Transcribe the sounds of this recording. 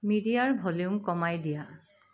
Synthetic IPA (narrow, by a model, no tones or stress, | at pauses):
midijaɹbʱɔliʊmkɔmajdija